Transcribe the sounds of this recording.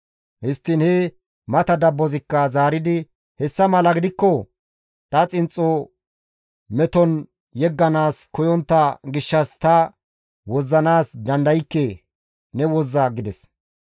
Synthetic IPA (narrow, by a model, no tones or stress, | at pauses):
hɪst̪ːɪnhɛ | mɐt̪ɐd̪ɐbːɔzɪkːɐzaːɾɪd̪ɪ | hɛsːɐmɐlɐɡɪd̪ɪkːɔ | t̪ɐt͡sʼɪnt͡sʼːɔ | mɛt̪ɔn | jɛɡːɐnaːskɔjɔnt̪ːɐɡɪʃːɐst̪ɐ | wɔzːɐnaːsd̪ɐnd̪ɐjɪkːeː | nɛwɔzːɐɡɪd̪ɛs